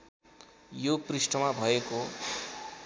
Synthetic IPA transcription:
joprisʈʌmabʱʌeko

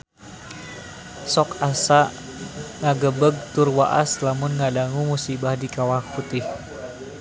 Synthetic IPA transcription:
sɔkasa | ŋaɡəbəɡ̚t̪ʊrwa̰ʔa̰slamʊnŋadaŋumusibahdikawahut̪ɪh

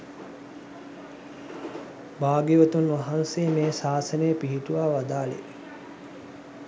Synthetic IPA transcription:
baːɡiʋət̪unʋaɦansejːmeːsaːsənəjəpiɦiʈuʋaːʋad̪aːlḛ

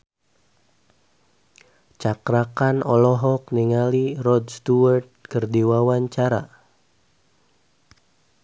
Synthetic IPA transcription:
t͡ʃakɾakanɔlɔɦɔk̚niŋalirɔdst̪uart̪̚kərdiwawaɲt͡ʃaɾa̰

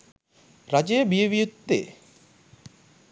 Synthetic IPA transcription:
ɾad͡ʒejbijəʋijut̪ːḛ

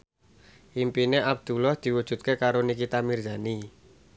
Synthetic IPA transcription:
ʔimpineʔab̚d̪̥ṳlɔhd̪̥i̤wud̥ʒ̥ṳt̪̚kekaɾonikit̪amird̪ani

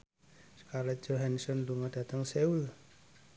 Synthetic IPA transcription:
skaɾad͡ʒoɦansɔnluŋadat̪əŋseul

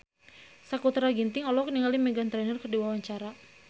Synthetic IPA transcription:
sakut̪ɾaɡint̪ɪŋɔlɔk̚niŋalimɛɡant̪ɾɛnərkərdiwawaɲt͡ʃaɾa

